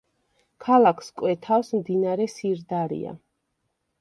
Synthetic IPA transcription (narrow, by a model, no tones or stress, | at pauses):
kʰalˠakʰskʼwɛt̪ʰafsmd̪inaɾɛsiɾd̪aɾḭa̰